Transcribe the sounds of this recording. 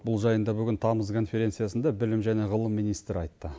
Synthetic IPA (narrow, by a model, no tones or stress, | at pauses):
bʊlˠʒɑjənd̪ɑbʏɡʲɪnt̪ʰɑməzkʰo̞nfʲe̞ɾʲe̞t̪sijasənd̪ɑbɪlɪmʒæne̞ʁəlˠəmːinijst̪ɾɪɑjt̪ːə